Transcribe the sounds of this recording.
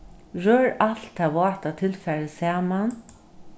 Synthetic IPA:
ɹøːɹaɬt̪ʰaʋɔ̥ːt̪at̪ʰɪlfɛɾəsaːman

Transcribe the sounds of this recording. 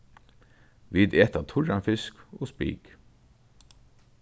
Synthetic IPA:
ʋiːd̪eːt̪at̪ʰʊɹanfɪskoːspḭːk

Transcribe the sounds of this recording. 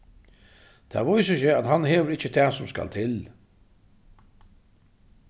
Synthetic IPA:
t̪ʰæ̰ːʋɔjsəçəat̪hanheːʋəɾɪt͡ɕːət̪ʰɛːsʊmska̰lt̪ʰɪl

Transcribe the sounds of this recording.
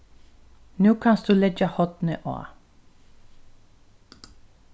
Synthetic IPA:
nuːkʰɑnsd̪̥ʉːlɛd͡ʒəhɔt̪nəʔo̰ː

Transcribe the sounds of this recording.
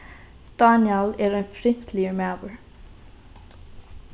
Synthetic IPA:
d̪̥ɑːnjɑlæːɾeːnfɾɪŋt̪ʰlɪəmæːbəɹ

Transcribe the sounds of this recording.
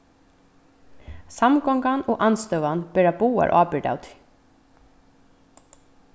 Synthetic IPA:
samɡɔŋɡanoːʔanst̪œwʋanbɛɹabuːa̰ɹʔɑ̰ːbɪɖ̪a̰wt̪ʰ

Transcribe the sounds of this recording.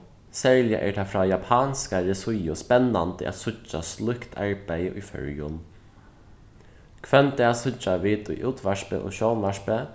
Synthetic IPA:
sɛɹlɪja̰ʔɛ̰ːɹt̪ʰaːfɾaːjapʰaːnskaɾɪsʊjʊspɛnːant̪əʔa̰t̪sʊt͡ʃːa̰slʊhkt̪ʰa̰ɹpæjəʔʊjfœ̰ɹjʊn | kʰʋɛnt̪ɛːasʊt͡ʃaʋiːt̪ʊ̰jʔuːt̪ʰʋaʂpə̰ʔɔ̰ːʃɔːnʋaʃpə

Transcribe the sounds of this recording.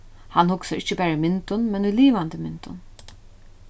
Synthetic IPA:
hanhʊksaɾɪt͡ʃːəbæːɾumɪnt̪ʊnmɛnujliːʋant̪ɪmɪnt̪ʊ̰n

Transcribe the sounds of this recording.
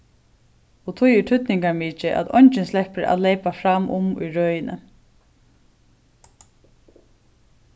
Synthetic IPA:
ɔt̪ʰujɪʈʰʏt̪nɪŋkaɹmiːt͡ʃɪʔæ̰t̪ɔjɲt͡ʃɪnslɛhpəæ̰ðleɪpafɾamʔʊ̰mʊ̰jɹœːjɪnə̰

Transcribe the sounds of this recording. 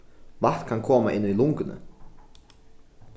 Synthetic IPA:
vaht̪kʰankʰɔːmaʔɪ̰nːʏilʊŋkʏnʏ̰

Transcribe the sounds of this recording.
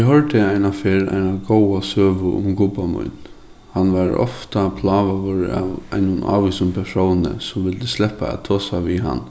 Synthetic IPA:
ɪɦɔɹt̪ɪaɪnafeːɾa̰ɪnaɡowasøːʋʊʔʊ̰mɡʊpamʊ̰jn | hanʋaɹɔ̰ft̪apʰlaːʋaʋʊɾa̰ʋa̰ɪnʊna̰ːʋiːsʊmpʰɛʂownə̰sɔmʋɪlt̪ɪslɛpaæ̰t̪ʰoːsaʋiːɦa̰nː

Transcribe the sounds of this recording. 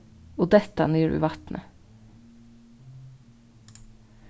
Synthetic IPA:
oːd̪ɛt̪ɑniːɾʉ̰ːʋɑt̪nʔə

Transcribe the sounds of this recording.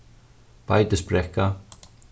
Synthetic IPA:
pajt̪ɪsbɾɛhka

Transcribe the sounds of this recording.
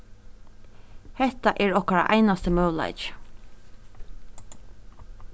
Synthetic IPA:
hɛht̪aʔɛɹɔhkaɹa̰ʔa̰jnast̪əmœwla̰ɪt͡ʃ

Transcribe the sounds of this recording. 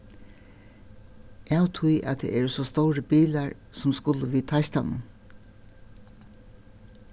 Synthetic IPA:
ʔawt̪ʰʊjʔa̰t̪̚d̪ḛʔɛɹsɔst̪ɔwɾəbiːlaɹ | sɔmskʊləʋiːt̪ʰaɪst̪anə̰n

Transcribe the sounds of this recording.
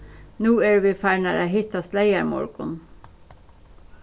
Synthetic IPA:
nuːæːɹʋiːfæɳæɾæɪɦɪt̪ɑslæɪæmɔ̰ɹɡ̥ʊ̰n

